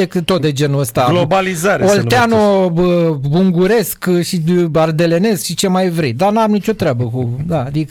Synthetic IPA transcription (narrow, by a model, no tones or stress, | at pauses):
ekɨt̪t̪o̞t̪̚d̪e̞d͡ʒe̞nuəst̪alobalizaɾeolt̪eanoəuŋɡuɾe̞skʃiard̪e̞le̞ne̞skʃit͡ʃe̞majvɾḭd̪anamnit͡ʃo̞t̪ɾeabəkud̪aːd̪ikə